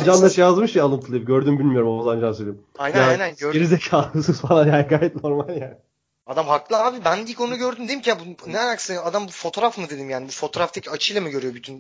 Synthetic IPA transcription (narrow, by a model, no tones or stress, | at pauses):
d͡ʒanlˠaʃjazmɯʃalˠɯmt̪ʰɯlˠajip̚ɡɟøɾd̪ymbilʲmijo̞ɾumozand͡ʒansølʲimajnjaajnænøɾeɾizecʰaːɯsɯzfalˠanjanɡaːjɛt̪̚no̞ɾmalʲjæ | ad̪amɦaklˠaːbibændiikʰonunuɡɟø̞ɾd̪ymd̪eimcʰijabunenaksɯnad̪ambufo̞t̪ʰoɾafmɯd̪e̞d̪imjaːnibufo̞t̪ʰo̞ːɾaft̪ʰecʰat͡ʃʰɯjlˠamɯɟø̞ɾyjo̞byt̪ʰyn